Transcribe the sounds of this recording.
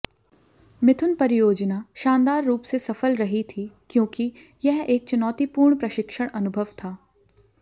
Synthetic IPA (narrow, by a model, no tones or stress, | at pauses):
mɪt̪ʰʊnpɐɾɪjoːd͡ʒnaʃaːnd̪aːɾːuːpsesɐfəlɾɐɦit̪ʰikjõːki | jɐɦeːk̚t͡ʃʊnɔːt̪ipuːɾɳpɾɐʃɪkʃəɽ̃ɐnʊbʱəʋt̪ʰaː